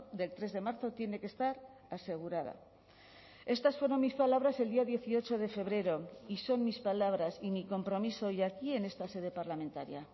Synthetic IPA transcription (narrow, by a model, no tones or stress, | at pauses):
d̪e̞lt̪ɾe̞zðe̞maɾθo̞t̪je̞ne̞ke̞st̪aɾ | ase̞ɣ̞uɾað̞a̰ | e̞st̪asfwe̞ɾo̞nmispalaβ̞ɾase̞ld̪iaðje̞θio̞t͡ʃo̞ð̞e̞fe̞β̞ɾe̞ɾo̞iso̞nmispalaβ̞ɾasimiko̞mpɾo̞miso̞jakie̞ne̞st̪ase̞ð̞e̞paɾlamẽ̞nt̪a̰ɾja̰